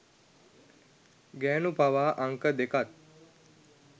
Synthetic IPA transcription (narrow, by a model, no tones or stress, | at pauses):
ɡɛːnupaʋaːʔaŋkəd̪ekat̪̚